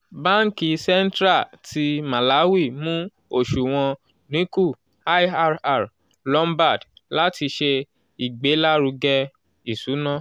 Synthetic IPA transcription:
bã˦ŋ̩˦ki˨˧sɛ˦n̩˦tɾa˦˨tʰi˧mã˨la˨˦wi˦˨mũ˦ | o˦˨ʃu˨w̃ɔ̃˧ | nĩ˨˦ku˦˨ | a˦a˧ɾa˦˨ɾ | lɔ˦mba˦˨dla˦ti˧ʃe˧ | i˨ɡ͡be˨˦la˦ɾu˧ɡɛ˦˧ | i˨su˨˦nã˦

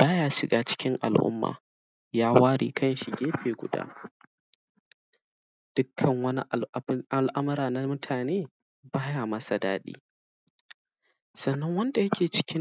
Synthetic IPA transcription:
b̥aː˦jaː˦ʃɪ˨ɡaː˨˦t͡ʃɪ̥˦kʲɪ˦ŋʔa̰˨lʔʊ̰˦mːa̰ː˨ | jaː˦waː˦ɾḭː˨kʰɐ˦nʃi˨ɡʲeː˦ɸeː˨ɡʷʊ̰˨da̰ː˦ | d̥ʊ˦kʰːɐ˨ŋwɐ˦n˦ʔʔa˨lʔɐ˦mɐ˦ɾaː˨na˦mʊ˦tʰaː˨neː˦ | baː˦jaː˨mɐ˦sa˨daː˦ɗḭː˦ | sɐ˨nːɐ˦ŋwɐ˦nda˨jɐ˦kʲeː˨t͡ʃɪ̥˦kʲɪ˦

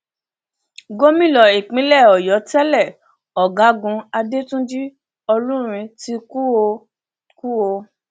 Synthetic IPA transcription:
ɡo˦mĩ˦˨lɔ˨i˨k͡pĩ˨˦lɛ˦˨ɔ˨jɔ˨˦tɛ˦lɛ˦˨ | ɔ˨ɡa˨˦ɡũ˧a˧de˦tũ˦d͡ʒi˦ | ɔ˧lũ˦ɾ̃ĩ˧ti˦ku˦o˧ | ku˦o˧

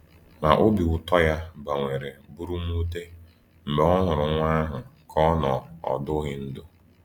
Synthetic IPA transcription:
ma˨ʔo˦bi˨ʊ˨tɔ˦ja˦ba˨ŋʷe˨ɾe˨bʊ˦ɾu˦m˦u˦te˦ | m̩˨be˨˦ɔ˦ŋʊ˨ɾʊ˨ŋʷa˦ɦʊ˨kʰɔ˦nɔ˨ɔ̰˨dʊ˦ɣɪ˦n̩˦dʊ˦

